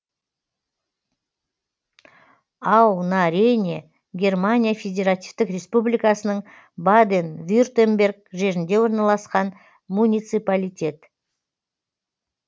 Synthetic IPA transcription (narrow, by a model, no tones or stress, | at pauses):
ɑwnaɾʲenʲe | ɡʲe̞rmanʲijafʲedʲe̞ɾat̪ift̪ɪkrʲe̞spublijkasənəɴ | bad̪envʲurt̪embʲe̞rɡ̚ʒe̞ɾɪnd̪e̞wo̞ɾnɑlˠɑsqɑn | munʲijt̪sɨjpalʲijt̪ʲe̞t̪